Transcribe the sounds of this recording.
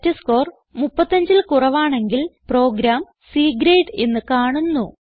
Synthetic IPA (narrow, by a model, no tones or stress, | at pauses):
tːɐsko̞ːr | mupːɐt̪ːɐɲd͡ʑilkurɐʋaːɳe̞ŋɡilpro̞ːɡɾaːm | siːɡɾeːʈenːɨkaːɳunːu